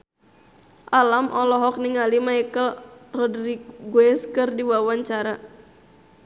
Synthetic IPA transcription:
ʔalamʔɔlɔɦɔk̚niŋalimaikəlrɔdrikɡwɛskɨrdiwawaɲt͡ʃaɾa

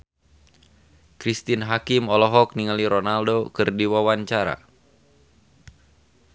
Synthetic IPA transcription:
kɾist̪inɦakimɔlɔɦɔk̚niŋaliɾɔnaldokɨrdiwawaɲt͡ʃaɾa̰

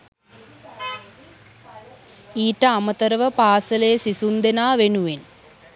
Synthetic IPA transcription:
iːʈəamət̪ɐɾɐʋəpaːsɐleːsisund̪enaːʋenuʋen

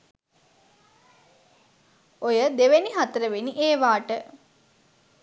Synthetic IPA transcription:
ojəd̪eʋeniɦat̪əɾəʋeniʔeːʋaːʈə

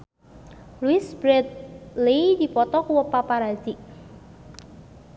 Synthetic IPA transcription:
lwisbɾɛd̪̚lid̪i̤pɔt̪ɔkuwəpapaɾad͡ʒɪʔ

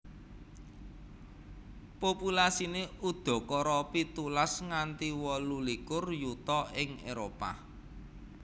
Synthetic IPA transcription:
populasineud̪̥ɔ̤kɔɾɔpit̪ulasŋant̪iwɔlulikʊrjut̪ɔɪŋeɾopa̰

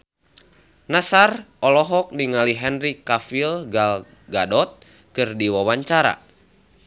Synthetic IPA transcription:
nasarʔɔlɔɦɔk̚diŋaliɦɛnrikafilɡal | ɡadɔt̪̚ | kɨrdiwawaɲt͡ʃaɾa̰

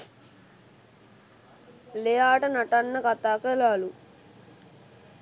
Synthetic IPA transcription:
leːaːʈɐnɐʈɐnːɐkɐt̪aːkɐlaːlu

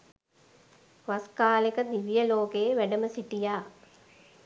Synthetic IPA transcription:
ʋaskaːlekəd̪iʋijəloːkeʋæɖəməsiʈijaː

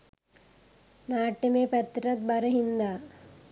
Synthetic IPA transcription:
naːʈːɐmeːpɐt̪ːɾɐt̪̚bɐɾɐɦind̪aː

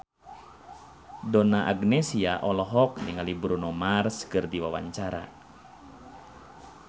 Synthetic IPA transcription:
dɔnaʔaɡnɛsiaʔɔlɔɦɔkniŋalibɾunɔmarskɨrdiwawa̰ɲt͡ʃaɾa̰

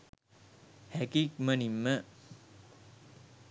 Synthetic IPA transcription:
hækik̚mənimːə

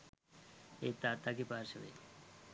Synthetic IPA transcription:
et̪ːat̪ːakipaɾsəʋḛ

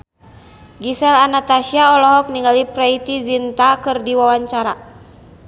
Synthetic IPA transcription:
ɡisɛlanat̪asiaɔlɔɦɔk̚niŋɡalipɾɛit̪izint̪akɨrdiwawaɲt͡ʃaɾa

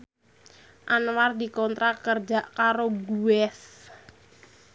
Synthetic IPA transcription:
ʔanward̪ikɔnt̪ɾakərd͡ʒaʔkaɾoɡuɛs

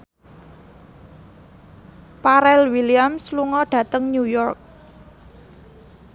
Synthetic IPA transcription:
paɾɛlwiliamsluŋɔɖ̥ä̤t̪əŋnujɔrk̚

